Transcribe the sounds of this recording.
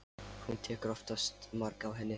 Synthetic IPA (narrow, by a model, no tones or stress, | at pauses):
hunt̪ʰɛːkɾɔft̪ast̪maɾkawɦɛnːɪ